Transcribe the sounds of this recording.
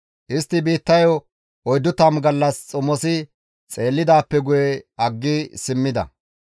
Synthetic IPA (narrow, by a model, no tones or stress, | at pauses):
ʔɪst̪ːɪbiːt̪ːɐjɔ | ɔjd̪ːʊt̪ɐːmɡɐlːɐst͡sʼʊmːɔsɪ | t͡sʼe̞ːlːɪd̪aːpːɛɡʊjɛɐɡːɪsɪmːɪd̪ɐ̰